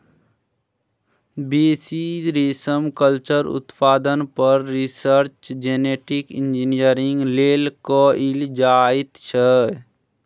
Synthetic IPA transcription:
besiɾisəmkəlt͡ʃəɾṵt̪paːd̪ənpəɾːisəɾt͡ʃd͡ʒeneʈikind͡ʒinijəɾiŋɡlelkɔild͡ʒait̪t͡ʃʰə

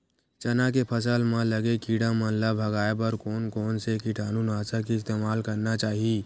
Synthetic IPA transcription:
t͡ʃɐnak̬epʰɐs̬əlmãlɐɡekiːɽamɐ̃nlabʱɐɡaːepɐɾkɔːnkɔːnsekɪʈʰaːnũnaːsak̬iɪst̪eːmaːlkɐɾnat͡ʃaːɦieː

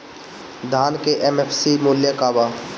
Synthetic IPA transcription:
d̪ʱaːnkeʔɛmefsimʊːljəkaːʋaː

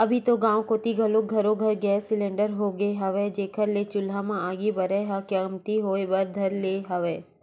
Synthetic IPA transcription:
ɐbʱit̪oɡãːʋkoːt̪iɡʱɐloɡʱɐɾoɡʱɐɾɡesɪlẽːɳɖəɾɦoɡəeɦɐʋed͡ʒeːkəɾlet͡ʃʊlamãaːɡibɐɾeɦakəmt̪iɦoːebɐɾd̪ʱɐɾleːɦɐʋeː

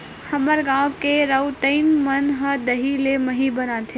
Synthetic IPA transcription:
həməɾɡãwkeɾəwt̪əɪnmənɦəd̪əɦileməɦibənãt̪ʰe

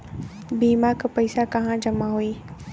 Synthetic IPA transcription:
biːmakpɐɪsakɐɦãd͡ʒɐmaɦuiː

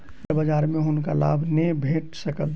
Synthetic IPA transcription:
bəd͡ʒaːɾmẽɦʊnkala̰ːbʱnəĩbʱeːʈsəkəl

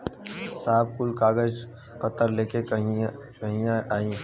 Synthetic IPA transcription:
saːb̚kʊlkaːɡəd͡ʒ | pət̪ːəɾleːkeɦ | kəɦijaʔaːĩː

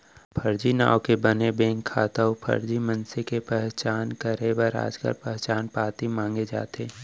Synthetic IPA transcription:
pʰəɾd͡ʒina̰ːokebənebẽːŋkʰːaːt̪aopʰə̰ɾd͡ʒimənsekepɛɦt͡ʃaːnkəɾebəɾa̰ːd͡ʒkə̰ɾpɛɦt͡ʃaːnpaːt̪imãːŋɡed͡ʒa̰ːt̪eː

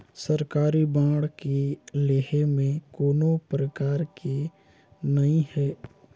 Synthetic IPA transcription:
səɾkaːɾibãːɽkileːɦemẽkoːnopɾəkaːɾke | nɐɦĩhɛː

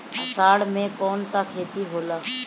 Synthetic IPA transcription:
əsaːɽmẽkɔːnsakʰeːt̪iɦoːlaː

